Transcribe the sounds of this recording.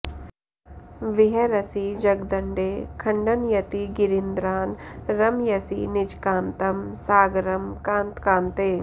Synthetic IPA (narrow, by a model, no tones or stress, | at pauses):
ʋɪɦɐɾɐsid͡ʒɐɡd̪ɐɳɖeːkʰɐɳɖɐnjɐt̪iɡɪɾind̪ɾaːnɾɐmjɐsinɪd͡ʒkaːnt̪ɐmsaːɡɾɐmkãːnt̪kaːnt̪eː